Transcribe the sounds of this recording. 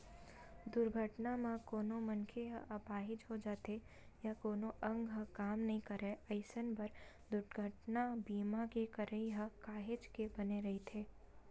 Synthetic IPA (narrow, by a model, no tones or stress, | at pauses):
d̪ʊɾɡʱəʈnamãkoːnõmɐnkʰeɦɐʔɐpaːɦɪd͡ʒɦod͡ʒaːt̪e | jakoːnoʔɐ̃ŋɡɦɐ̃kaːmnɐɦĩkɐɾɛɐɪsənpɐɾ | d̪ʊɾʈɡʱəʈnabiːmakekɐɾəiɦəkaːɦɪd͡ʒkebɐneɾɐɦit̪ʰeː